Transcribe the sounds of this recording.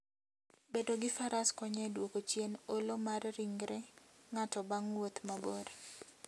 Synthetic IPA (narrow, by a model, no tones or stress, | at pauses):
bedoɡɪfaɾaskɔɲɛdwokot͡ʃjenolomarːiŋɡɾɛŋatɔbaŋwot̪maboɾ